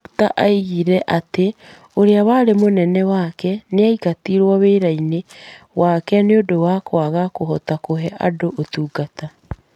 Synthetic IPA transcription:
taʔaiɣiɾɛʔate | oɾeawaːɾemonɛnɛwakɛneaiɣatiɾwɔweːɾainewakɛneodowakwaɣakoɦɔtakoɦɛʔadoʔotuːɡata

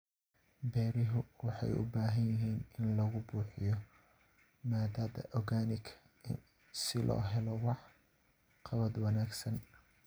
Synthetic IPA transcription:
bɛːɾɪɦʊwɑħɑ̰jʊ̰baːɦɐnjɪɦiːnɪnlɐɣʊbuːħɪjɔ | maːd̪aːd̪ɐ̰ʔɔɣaːnɪkʰɐ | ɪn | sɪlʔɔ̰ːɦɛlɔwɑħ | qʰɑβɐd̪wɑnaːɡsɐn

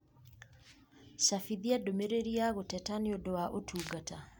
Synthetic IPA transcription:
ʃafiðiadomeɾeɾiaɣotɛtaneodowaʔotʰuːɡata

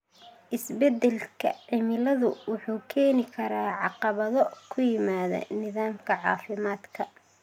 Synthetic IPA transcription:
ʔɪsbɛd̪ɛlkʰɐ̰ʕɪmɪlɐðʊwʊħuːkʰɛːnɪkʰɐɾaːʕɑqɑβɐðɔkʰʊjɪmaːðɐ̰nɪðaːmkʰɐʕɑ̰ːfɪmaːd̪kʰɐ

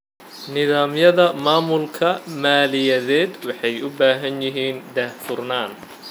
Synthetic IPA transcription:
nɪðaːmjɐðɐmaːmʊlkʰɐmaːlɪjɐðɛːd̪wɑħɑjʊbaːɦɐnjɪɦiːnd̪ɛħfʊrnaːn

